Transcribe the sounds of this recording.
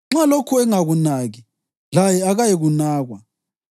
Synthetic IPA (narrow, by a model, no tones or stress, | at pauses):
ŋ͡ǁalokʰuɛŋaɣunaɣi | lajɛaɣajeɣunaːɣwa